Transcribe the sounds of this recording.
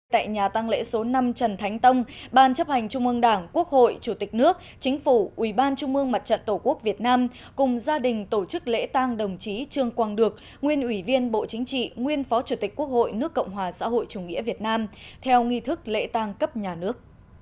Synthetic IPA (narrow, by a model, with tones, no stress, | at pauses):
t̪a̰ː˧˨jɲaː˨˩t̪a˧ŋlḛ˧˥so˨˦na˧mt͡ɕə˨˩nt̪ʰa˨˦jŋ̟t̪ə˧wŋ͡mɓaː˧˩nt͡ɕə˦˥p̚ha˨˩jŋ̟t͡ɕʊ˧ŋ͡mʔɨ˧əŋɗaː˧˩ŋku˦˥ək̚ho̰˧˨jt͡ɕu˧˩t̪ï˨˩k̟̚nɨ˦˥ək̚ | t͡ɕï˨˦ŋ̟fu˧˩ʔwi˧˩ɓaː˧nt͡ɕʊ˧ŋ͡mʔɨ˧əŋma˨˩t̚t͡ɕə̰˧˨nt̪o˧˩ku˦˥ək̚vi˨˩ət̚naː˧m | kʊ˨˩ŋ͡mzaː˧ɗï˨˩ŋ̟t̪o˧˩t͡ɕɨ˦˥k̚lḛ˧˥t̪aː˧ŋɗə˨˩wŋ͡mt͡ɕi˨˦t͡ɕɨ˨˧˩əŋkwaː˧˩ŋɗɨ˨˩ək̚ | ŋwi˧ənʔwi˧˩vi˧ənɓo̰˧˨t͡ɕï˨˦ŋ̟t͡ɕḭ˧˨ŋwi˧ənfɔ˨˦t͡ɕu˧˩t̪ï˨˩k̟̚ku˦˥ək̚ho̰˧˨jnɨ˦˥əkːə̰˧˨wŋ͡mɦwaː˨˩sa̰ː˧˥ɦo̰˧˨jt͡ɕu˧˩ŋḭ˧˥əvi˨˩ət̚naː˧mt̪ʰɛ˧wŋi˧t̪ʰɨ˦˥k̚lḛ˧˥t̪aː˧ŋkə˦˥p̚ɲaː˨˩nɨ˦˥ək̚